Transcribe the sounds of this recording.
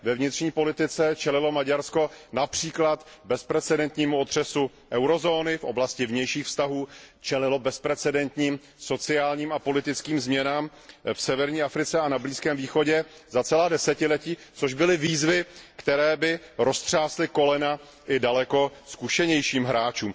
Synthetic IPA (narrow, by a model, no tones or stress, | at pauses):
vɛvɲɪt̪r̝̥ɲiːpo̞lɪt̪ɪt͡sɛt͡ʃɛlɪlo̞maɟaɾsko̞napr̝̥iːklat̪bɛspɾɛt͡sɛdɛnt̪ɲiːmuot̪r̝̥ɛsu | ʔɛwɾo̞zoːnɪfʔo̞̰blascɪvɲɛjʃiːxfst̪aɦuːt͡ʃɛlɪlo̞bɛspɾɛt͡sɛdɛnt̪ɲiːm | so̞t͡sɪaːlɲiːmapo̞lɪt̪ɪt͡skiːmzmɲɛnaːm | fsɛvɛɾɲiːʔafɾɪt͡sɛanabliːskɛːmviːxo̞ɟɛ | zat͡sɛlaːdɛsɛcɪlɛciːt͡soʒbɪlɪviːzvɪkt̪ɛɾɛːbɪɾo̞st̪r̝̥aːslɪko̞lɛna | ʔɪdalɛko̞skuʃɛɲɛjʃiːmɦɾaːt͡ʃuːm